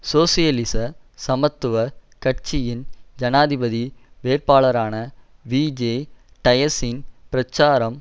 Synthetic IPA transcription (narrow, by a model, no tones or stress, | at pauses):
soːsɪjɐlɪsɐsɐmɐt̪ːɯʋɐkɐʈt͡ʃɪjɪnd͡ʒɐnaːðɪbɐðiʋeːɾpaːlɐɾaːnɐ | ʋiːd͡ʒeːʈɐjɐsɪnpɪɾɐt͡ʃːaːɾɐm